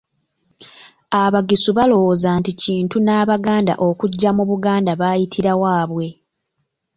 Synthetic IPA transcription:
aβaɡisuβalo̞wozanticiːntunaːβaɡaːnda̰ʔo̞kuɟːamuβuɡaːndaβaːjitʰiɾawaːβwe̞

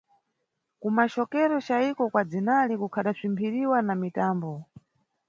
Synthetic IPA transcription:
kumat͡ʃɔkɛɾɔt͡ʃaikɔkwad͡zinalikukʰaɗasimpʰiɾiwanamitaːmbɔ

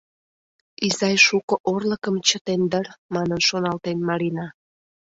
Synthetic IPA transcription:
izɑjʃukə̆ʔorləkəmt͡ɕət̪end̪ərmɑnənʃonɑlt̪enmɑɾinɑ

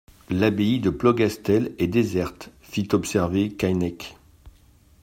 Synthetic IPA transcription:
labeid̪əplɔɡast̪ɛlɛd̪ezɛʁt̪ | fit̪ɔpsɛʁvekajnɛk

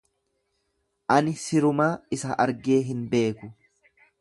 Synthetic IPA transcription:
ʔɐnɪsɪɾʊmaːɪsɐʔɐɾɡe̞ːɦɪnbe̞ːkʊ

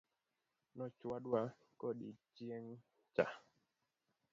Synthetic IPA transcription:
nɔt͡ʃwaɗwa | kɔɗit͡ʃieŋ | t͡ʃa̰

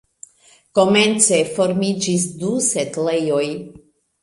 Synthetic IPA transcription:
ko̞me̞nt͡se̞fo̞ɾmid͡ʒis̬dusetlejo̞j

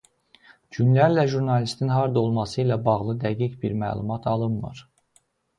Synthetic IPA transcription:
ɟynlæɾlæʒuɾnɑlist̪inɦɑɾd̪o̞lˠmɑsɯilæbɑɣlˠɯd̪æɡicbiɾmæ̰ːlˠumɑt̪ʰɑlˠɯnmɯ̰ɾ

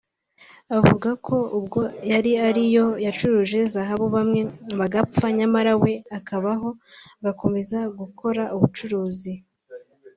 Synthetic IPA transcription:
aβvuɡakʰo̞ubɡo̞jaɾiaɾijo̞jat͡ʃuɾuːʒe̞zaɦaβoβamŋe̞βaɡafaɲamaɾawe̞akaβaɦo̞ɡako̞me̞zaɡuko̞ɾaʔuβut͡ʃuɾuːzi

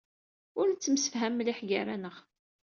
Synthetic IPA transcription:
ʊɾnt͡sːəmsə̥fɦæmːliħɡaɾænəʁ

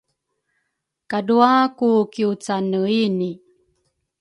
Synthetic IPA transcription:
kaduakukiut͡sanəini

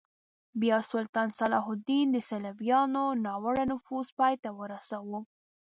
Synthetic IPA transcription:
bjɑsʊlt̪ɑnsalɑɦʊd̪ind̪əsalavjɑnonɑwəɽanʊfuzpɑjt̪awəɾasawo

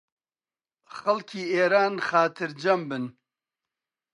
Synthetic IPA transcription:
xɐlkʰiːeːɾaːnxaːt̪ʰɨɾd͡ʒɐmbɨn

